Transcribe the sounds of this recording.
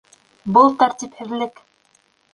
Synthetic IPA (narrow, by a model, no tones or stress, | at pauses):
bɤlˠt̪æɾt̪ʲiphɘ̆ðlɘk